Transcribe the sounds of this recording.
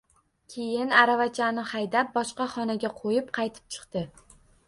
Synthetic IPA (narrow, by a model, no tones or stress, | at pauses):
kʲʰe̞jɪnaɾavat͡ʃʰanɪhajd̪ap̚bɒʃqɑχɒnaɡʲaqʰojɪp̚qʰɑjt̪ʰɪ̥p̚t͡ʃʰɨ̥qt̪ɪ